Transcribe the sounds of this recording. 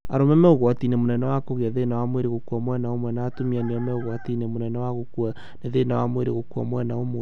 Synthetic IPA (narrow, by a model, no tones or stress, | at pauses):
aɾomɛmɛoɣwatinemonɛnɛwakoɣeaðenawamweɾeɣokuɔmwɛnaomwɛnaːtomianeɔmɛoɣwatinemonɛnɛwaɣokua | neðenawamweɾeɣokuamwɛnaomw